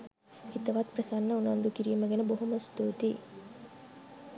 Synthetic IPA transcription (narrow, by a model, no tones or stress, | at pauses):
it̪ɐʋat̪prəsanːəunand̪ukiɾiːməɡenəboɦuməst̪uːt̪i